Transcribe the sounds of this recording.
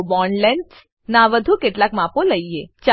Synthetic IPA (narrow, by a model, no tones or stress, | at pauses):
bɔnlens | naʋəd̪ʱukeʈlakmãpoləiet͡ʃa